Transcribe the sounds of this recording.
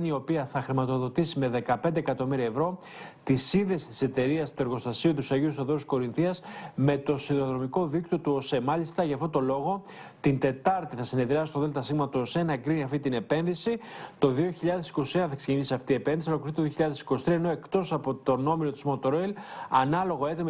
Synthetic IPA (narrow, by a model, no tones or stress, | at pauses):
nio̞piɐθɐxɾimɐt̪o̞ðo̞t̪isime̞ðe̞kɐpe̞nd̪ekɐt̪o̞miɾiɐevɾo̞ | t̪isinðe̞si̥t̪i̥se̞t̪e̞ɾiɐst̪ue̞ɾɣo̞st̪ɐsiot̪usɐʝiust̪oðoɾsko̞ɾinθiɐsme̞t̪o̞siðɾoðɾo̞miko̞ðikt̪o̞t̪uo̞semɐʎist̪ɐʝɐft̪ot̪o̞lo̞ɣo̞ | t̪int̪e̞t̪ɐɾt̪iθɐsine̞ðɾiɐsist̪oðelt̪ɐsiɣmɐt̪uo̞senɐekɾiniɐft̪it̪ine̞pe̞nðisit̪o̞ðio̞çiʎɐðe̞si̥ko̞sienɐθɐekseʝenisiɐft̪iːe̞penðisiolokɾθit̪oðijo̞çiʎɐðesi̥ko̞si̥t̪ɾiɐeno̞e̞kt̪o̞sɐpo̞t̪o̞no̞milot̪izmot̪oɾojlɐnɐlo̞ɣo̞e̞t̪em